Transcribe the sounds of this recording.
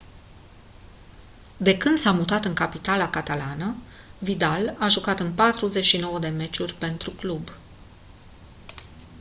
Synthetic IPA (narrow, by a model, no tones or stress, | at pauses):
d̪e̞kɨnd̪̥samut̪at̪ɨŋkapit̪alakat̪alanə | vid̪alaʒukat̪ɨnpat̪ɾuze̞t͡ʃʲʃino̞wəd̪e̞me̞t͡ʃurʲpe̞nt̪ɾuklub